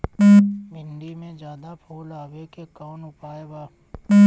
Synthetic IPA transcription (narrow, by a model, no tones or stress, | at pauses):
mɪ̃ɳɖimẽd͡ʒjaːd̪apʰoːlaːʋekekaːnʊpaːebaː